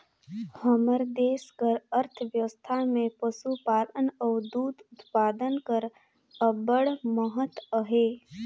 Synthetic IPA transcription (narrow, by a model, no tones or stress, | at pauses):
həməɾd̪eːskəɾəɾt̪ʰəʋjəst̪ʰamẽpəsupaːɾənəwd̪uːd̪ʊt̪paːd̪ənkəɾ | əbəɽməɦət̪əɦeː